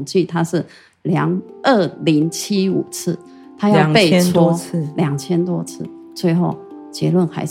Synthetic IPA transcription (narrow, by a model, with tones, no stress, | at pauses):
nt͡ɕy˥˩t̪ʰa˥ʂɻ̩˥˩ | ljɑ˧˥ŋə˥˩li˧˥ŋt͡ɕʰi˥u˨˩t͡sʰɹ̩˥˩ | t̪ʰa˥jɑ˥˧ʊ˨pe˥˨˧ɪt͡sʰwɔ˥ljɑ˨˩ŋt͡ɕʰjɛ˥nt̪wɔ˥t͡sʰɹ̩˥˩ | t͡swe˥˧ɪxo˥˩ʊt͡ɕjɛ˧˥lwə˥˩nxa˧˥ɪ